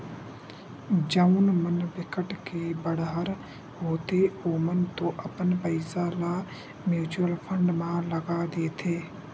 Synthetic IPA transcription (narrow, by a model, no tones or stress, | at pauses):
d͡ʒəunmənbɪkəʈkebəɽɦəɾ | ɦoːt̪eoːmənt̪õːʔəpənpəɪsala | mjuːt͡ʃuəlpʰəɳɖmãləɡad̪eːt̪ʰeː